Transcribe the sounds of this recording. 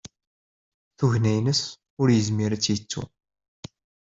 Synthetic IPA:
θuʝnæjnəs | ʊɾjəzmiɾæt͡sːjət͡sːṵ

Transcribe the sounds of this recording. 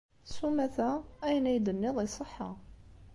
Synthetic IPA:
sumæθææjnæjd̪ənːɪðˤisˤəħːa̰

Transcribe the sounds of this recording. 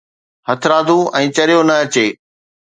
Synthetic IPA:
hɐt̪ʰɾãːd̪ʱũʔɛ̃ːt͡ɕɐɾijonɐɐt͡ɕeː

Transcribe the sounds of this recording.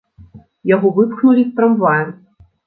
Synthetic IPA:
jaɣɔvɨpxnulʲist̪ɾɐmvajɛ

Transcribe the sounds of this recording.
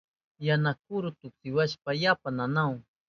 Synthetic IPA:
janak̚ʊɾʊt̪ʊksɪwaʃpajapananaw

